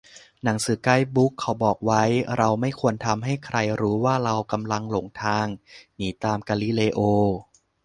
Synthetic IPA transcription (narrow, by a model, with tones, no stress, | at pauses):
na˩˦ŋsɯː˨˩˦ka˧˥˩jbu˦˥kʰːa˨˦wbɔː˨˩k̚wa˦˥jɾa˧wma˥˩jkʰu˧ənt̪ʰa˧mɦa˥˩jkʰɾa˧jɾuː˦˥waː˥˩ɾa˧wka˧mla˧ŋlo˨˩ŋt̪ʰaː˧ŋniː˩˦t̪aː˧mkaː˧li˦leː˧ʔoː˧